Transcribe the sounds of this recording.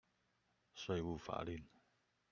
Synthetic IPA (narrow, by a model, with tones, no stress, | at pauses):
sa˧˩jwu˨fa̰˨ʔli˧˨n